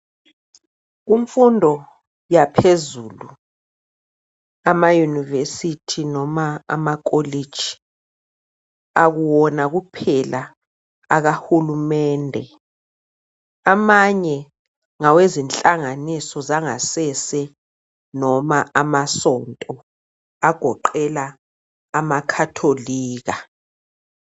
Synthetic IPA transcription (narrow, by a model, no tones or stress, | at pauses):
uɱfundʱɔ | japʰezuːlu | amajunivesitʰinɔmaa̰mak̬ʼolid̥ʒ̥ʱi̥ | aɣuwɔnaɣupʰɛlaː | ɣahulumɛːndʱɛ | amaɲɛ | ŋawezint͡ɬʼaŋanisɔzaŋasɛsɛ | nɔmaʔamasɔntʼɔ | aɡ̥ʱɔǃɛlaː | makʰatʰoliːɣa